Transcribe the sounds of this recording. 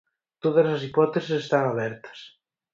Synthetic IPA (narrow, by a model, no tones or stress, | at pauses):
t̪oðɐsasipɔt̪esisest̪aŋaβɛɾt̪ɐ̥s